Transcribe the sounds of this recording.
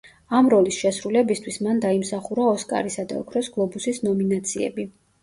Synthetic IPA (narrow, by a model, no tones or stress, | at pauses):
amɾɔlisʃɛsɾulɛbist̪ʰwismand̪aimsaχuɾaɔskʼa̰ɾisad̪a̰ɔ̰kʰɾɔsɡlˠɔbusisnɔminat̪sʰiɛ̰bi